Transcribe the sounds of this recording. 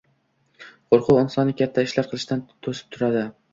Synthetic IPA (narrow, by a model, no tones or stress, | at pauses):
qʰoɾqʰʊɒnsɒnːɪkʲat̪ʰːaɪʃlaɾqʰɨlˠɪʃt̪ant̪ʰosɪ̥p̚t̪ʰʊɾad̪ɪ